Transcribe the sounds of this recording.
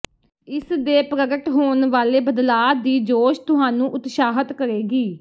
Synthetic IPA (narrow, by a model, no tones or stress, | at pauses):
ɪsd̪eːpɾəɡəʈɦoːnʋaːleːbəd̪laːd̪iːd͡ʒoːʃt̪ʊɦaːnũːʔʊt̪ʃaːɦət̪kəɾeːɡiː